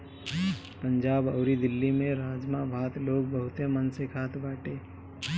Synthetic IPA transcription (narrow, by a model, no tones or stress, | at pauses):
pə̃ɲd͡ʒaːbəːɾid̪ɪlːimẽɾaːd͡ʒmabʱaːt̪loːɡ̚bəɦʊt̪jemənsekʰaːt̪baːʈeː